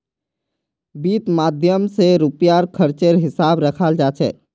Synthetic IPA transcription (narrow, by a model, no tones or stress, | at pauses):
biːt̪maːd̪ʱjəmseɾupjaɾkʰəɾt͡ʃeɾɦɪsaːbɾəkʰald͡ʒaːt͡ʃʰɛ̰ː